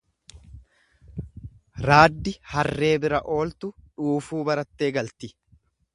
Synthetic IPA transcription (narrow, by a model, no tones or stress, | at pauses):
ɾaːd̪ːɪhɐrːe̞ːbɪɾɐʔo̞ːlt̪ʊᶑuːfuːbɐɾɐt̪ːe̞ːɡɐlt̪ɪ